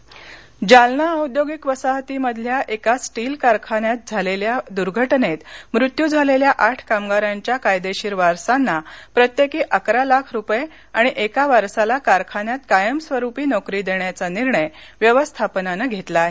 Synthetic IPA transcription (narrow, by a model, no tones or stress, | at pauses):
d͡ʑalnaəwd̪joɡikʋəsaɦt̪iməd̪ʱljaʔekasʈiːlkaɾkʰanjat̪̚d͡zʱaleljad̪uɾɡʱəʈnet̪mɾut̪jud͡zʱaleljaʔaʈʰkamɡaɾaɲt͡ɕjakajd̪eɕiːɾʋaɾsanːapɾət̪jekiːʔəkɾalakʰɾupje | aɽ̃iʔekaʋaɾsalakaɾkʰanjat̪kajəmsʋəɾupiːnɔkɾiːd̪eɳjat͡saniɾɳəjʋjəʋəst̪ʰapnanəɡʱet̪laɦe